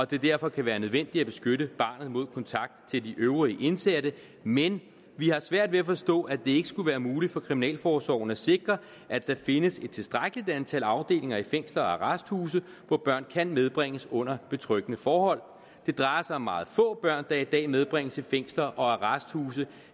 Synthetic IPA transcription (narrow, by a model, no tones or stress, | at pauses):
ɒ̽d̥e̝d̥æɐ̰fɒ̽kʰæʋæːɐnøð̞ˠʋen̰d̥i̥æb̥e̝sɡ̥øɾəb̥ɑ̈ːnð̞̩ˠmo̝ð̞̰ˠkʰɒ̽nt͡sʰɑ̈ɡ̥̚d̥t͡sʰe̝ld̥iʔøʊʁiːʔe̝nsed̥ə | men | ʋihɑ̈sʋæɐ̰d̥ʋe̝æfɒ̽sd̥ɔ̰̽ːæd̥e̝e̝ɡ̥əsɡ̥uʋæːɐmuːlid̥fɒ̽kʰʁiminɛ̰ːlfɒːsɒ̰ʊ̰nəæse̝ɡ̥ʁɐ | ʔæd̥æfe̝nəse̝d̥̚t͡sʰe̝lsd̥ʁaɡ̥əlid̥ænt͡sʰælɑ̈ʊd̥e̝̰ːle̝ŋɐifeŋ̰slɐɒæʁɑsd̥huːs̬ə | ʋɒb̥ɶɐ̰nkʰænmeð̞ˠb̥ʁeŋ̰əsɔ̽n̰ɐb̥e̝t͡sʰʁœɡ̥ənəfɒːhɒ̽l̰ | d̥e̝d̥ʁɑ̈ɪɐsɑ̈ɪɒ̽mːɑ̈ːð̞̩ˠfɔ̰̽ːb̥ɶɐ̰nd̥ɑ̈id̥ɛ̰ːmeð̞ˠb̥ʁeŋ̰əsifeŋ̰slɐʔɒ̽æʁɑsd̥huːs̬ə